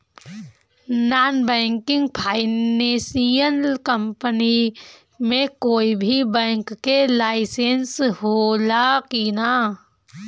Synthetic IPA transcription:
naːnbɛ̃ːŋkɪ̃ŋɡ̚pʰaːɪneːsijəlkə̃mpəni | mẽkoːibʱibɛ̃ːŋkːelaːɪsensɦoːlakina

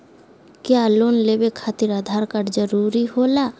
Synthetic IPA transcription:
kjaloːnleːbekʰaːt̪iɾəd̪ʱaːɾkəɾd͡ʒəɾuːɾiɦoːlaː

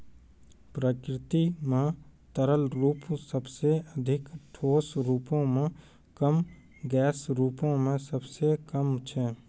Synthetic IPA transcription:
pɾəkɾɪt̪imẽt̪əɾəlɾuːpsəbseəd̪ʱɪkʈʰoːsɾuːpõmẽ | kəm | ɡɛːsɾuːpõmẽsəbsekəmt͡ʃʰɛː

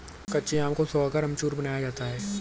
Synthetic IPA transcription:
kɐːt͡ʃeãːmkosoːakɐɾɐmt͡ʃuːɾbɐnaːjad͡ʒaːt̪aɦɛː

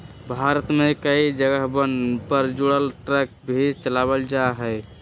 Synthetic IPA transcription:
bʱaɾət̪mekəid͡ʒəɡəɦbənpəɾd͡ʒuɽəlʈɾək̚bʱit͡ʃəlabəld͡ʒaɦɛɪ

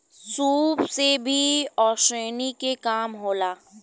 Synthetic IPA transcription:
suːpsebʱiɔːʃɾeːnikekaːmɦoːlaː

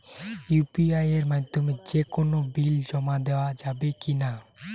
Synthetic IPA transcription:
jupiajeɾmaɦt̪omed͡ʒekonobild͡ʒɔmad̪ɛwad͡ʒabekina

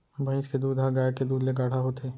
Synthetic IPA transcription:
bʱə̃ɪ̃sked̪uːd̪ɦaɡaːjeked̪uːd̪leɡaːʈʰaɦoːt̪eː

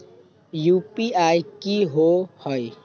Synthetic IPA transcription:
jupiajkiɦohoj

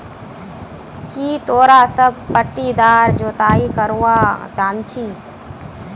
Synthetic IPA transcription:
kiːt̪oːɾasəb̚pəʈːid̪aːɾd͡ʒoːt̪aːikəɾuwad͡ʒãːnt͡ʃʰiː

